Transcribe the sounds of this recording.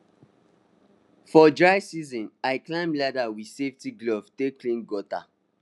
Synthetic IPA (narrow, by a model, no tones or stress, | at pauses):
fɔdɹaɪsizɔ̃naɪklãɪ̃mlɛdawi̥seftiɡlɔvtekʰlĩnɡɔta̰